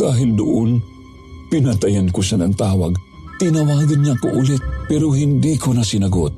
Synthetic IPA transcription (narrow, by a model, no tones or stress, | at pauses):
aːɦɪld̪ʊʔon | pɪnat̪ɐjankoʃanɐnt̪aːwa̰ɡ | t̪ɪnɐwaːɡɐnɲaʔɐkoʔʊlɛt̪̚pɛɾohɪnd̪ikʰonɐsɪnɐɡot̪̚